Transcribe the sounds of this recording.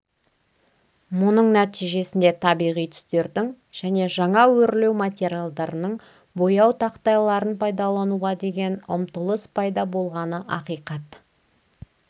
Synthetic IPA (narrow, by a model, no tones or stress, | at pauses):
mʊnəɴnæt̪ijʒe̞sɪnd̪e̞t̪ʰɑbijʁijt̪ʰʏ̥st̪e̞ɾd̪ɪŋ | ʒ̥æne̞ʒɑɴɑwɵɾle̞wmat̪ʲe̞ɾʲijalˠd̪ɑɾənəɴ | bo̞jɑwt̪ʰɑqt̪ɑjlˠɑɾənpʰɑjd̪ɑlˠɑnuʁɑd̪e̞ɡʲe̞nʊ̰mt̪əlˠəspʰɑjd̪ɑbo̞lˠʁɑnəʔɑqijqɑt̪